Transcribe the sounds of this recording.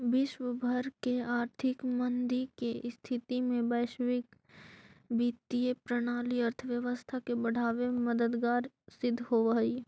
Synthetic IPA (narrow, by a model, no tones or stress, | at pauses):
ʋɪʃwəbʱəɾkeaːɾt̪ʰɪkmə̃nd̪ikest̪ʰɪt̪imẽbəːʃʋɪk | biːt̪iepɾəɽ̃aːliəɾt̪ʰəʋjəʋəst̪ʰakebɐɽ̤aːʋeməd̪əd̪ɡaːɾ | sɪd̪ʱːɦoʋaːi